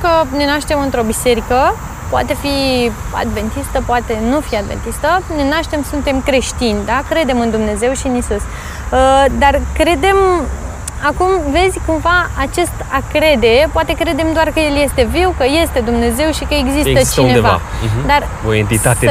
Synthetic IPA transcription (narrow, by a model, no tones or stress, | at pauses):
kəne̞naʃt̪e̞mɨnt̪ɾo̞bise̞ɾikə | poa̰t̪e̞fia̰d̪ve̞nt̪ist̪əpoat̪e̞nufiad̪vent̪ist̪əne̞naʃt̪e̞msunt̪e̞mkɾe̞ʃt̪inʲd̪akɾe̞d̪e̞mɨnd̪umne̞ze̞wʃiɨnisus | əd̪arkɾe̞d̪e̞m | akumve̞zʲkumvaat͡ʃe̞st̪akɾe̞d̪e̞poat̪e̞kɾe̞d̪e̞md̪oarkəje̞lje̞st̪e̞viwkəje̞st̪e̞d̪umne̞ze̞wʃikəeɡzist̪ət͡ʃineev̰a̰d̪ar | oent̪it̪at̪e